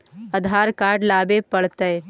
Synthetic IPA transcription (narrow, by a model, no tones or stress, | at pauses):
əd̪ʱaːɾkaːɾɖlaːbepəɽ̤t̪ə